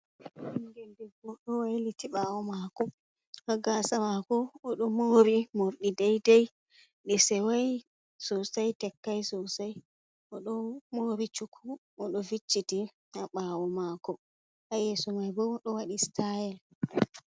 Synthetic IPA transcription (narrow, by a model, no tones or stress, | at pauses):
nɡɛndɛɡɔɗɔwajlitiɓaːwɔmakɔ | aɡaːsamakɔːɗɔmoːɾimoɾɗidɛjdɛj | ɗisɛwaj | sɔsajtɛkːajsɔsaj | ʔɔɗɔmoːɾit͡ʃukʰːu | ɔɗɔvit͡ʃːiti | aɓaːwɔmakɔ | ʔajɛːsɔmajbɔɗɔwaɗistajɛl